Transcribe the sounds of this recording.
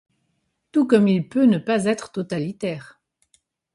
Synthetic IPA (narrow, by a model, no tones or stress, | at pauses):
t̪ukɔmilpønəpazɛt̪χə̥t̪ɔt̪alit̪ɛːʁ